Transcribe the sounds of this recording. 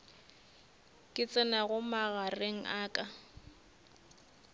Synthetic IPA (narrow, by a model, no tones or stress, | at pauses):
kʼɪt͡sʼɪnaɣʊmaɣareŋ̩ʔaːkʼa